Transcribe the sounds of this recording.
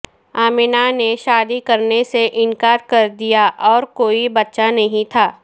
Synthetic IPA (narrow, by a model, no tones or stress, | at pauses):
aːmɪnaneʃaːd̪ikɐɾneseʔɪ̃nkaːɾkɐɾd̪ijaʔɔːɾkoːibɐtːʃanɐɦĩt̪ʰaː